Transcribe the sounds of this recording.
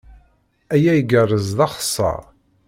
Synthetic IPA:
æjæjɡərˤːəzðɑχə̥sˤːɑ̰

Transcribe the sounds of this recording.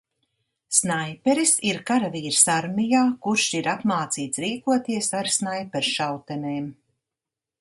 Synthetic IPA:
snajpɛɾisiɾkaɾaviːɾsaɾmijaːkuɾʃiɾapmaːt̪siːt̪sɾiːkuɔt̪iɛsaɾsnajpɛɾʃawt̪ɛneːm

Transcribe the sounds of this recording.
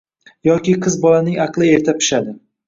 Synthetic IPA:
jɒkʲiqʰɨzbɒlanɪŋɑqlˠɪe̞ɾt̪ʰapʰɪ̥ʃad̪ɪ

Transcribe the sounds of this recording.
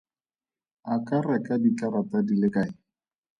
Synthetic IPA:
akarɛkadit͡ɬaɾatadilɪkaɪ

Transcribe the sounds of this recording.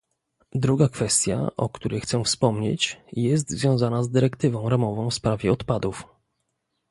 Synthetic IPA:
d̪ɾuɡakfɛst̪ʲja̰ʔɔ̰kt̪uɾɛjxt̪sɛfspɔmɲḛt͡ɕjɛs̬t̪zvʲjɔ̃w̃zanazd̪ɘɾɛkt̪ɘvɔ̃w̃ɾamɔvɔ̃w̃fspɾavʲjɛɔt̪pad̪uf

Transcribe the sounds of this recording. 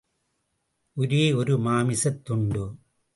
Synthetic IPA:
ʔʊɾeːɔɾɯmaːmɪsɐt̪ːʊɳɖɯ

